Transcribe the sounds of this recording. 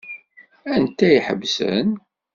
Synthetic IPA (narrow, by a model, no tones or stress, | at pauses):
ænt̪ːæiħə̰bsə̰n